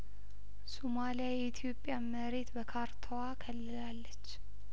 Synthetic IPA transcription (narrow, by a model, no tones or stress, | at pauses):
somalijajɛit̪ʰijo̞pʼːjaməɾe̞t̪bəkʰaɾt̪ʰowakʰəlːɨlalːət͡ʃː